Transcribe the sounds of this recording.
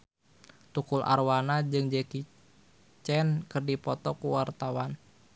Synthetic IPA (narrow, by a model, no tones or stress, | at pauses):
t̪ukulʔa̰rwanad͡ʒɨŋd͡ʒɛki | t͡ʃɛnkɨrdipɔt̪ɔkuwart̪awan